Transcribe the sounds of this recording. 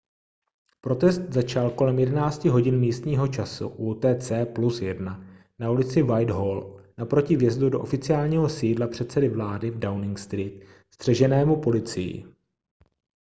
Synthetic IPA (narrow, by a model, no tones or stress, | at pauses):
pɾo̞t̪ɛst̪̚zat͡ʃalko̞lɛmjɛdɛnaːt͡scɪɦo̞ɟɪnmiːst̪ɲiːɦo̞t͡ʃasṵʔuːt̪ɛːt͡sɛːplusjɛdna | naulɪt͡sɪvajdɦolnapɾo̞cɪvjɛzdudo̞ʔo̞fɪt͡sɪaːlɲiːɦo̞siːdlapr̝̥ɛt̪sɛdɪvlaːdɪvdawnɪŋkst̪ɾiːt̪̚ | st̪r̝̥ɛʒɛnɛːmupo̞lɪt͡sɪjɪ̰